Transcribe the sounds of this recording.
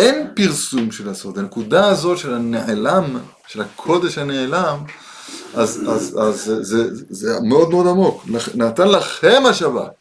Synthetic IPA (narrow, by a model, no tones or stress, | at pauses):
enpiʁsumʃelasod̪anekud̪aːzo̞t̪ʃe̞laneʕelam | ʃelakʰo̞d̪e̞ʃhaneʕelam | ʔazazazezezemeo̞d̪meo̞d̪amo̞klanat̪anlaχe̞maʃaba̰t